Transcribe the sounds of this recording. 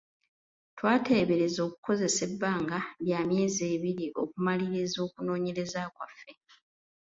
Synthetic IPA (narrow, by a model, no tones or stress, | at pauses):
twaːte̞ːβe̞ɾe̞zo̞ːku̥ko̞ze̞se̞bːaːŋɡaβjaːmje̞ːze̞ːβiɾiʔo̞kumaliɾezo̞ːkuno̞ːɲe̞ɾe̞zakwafːe̞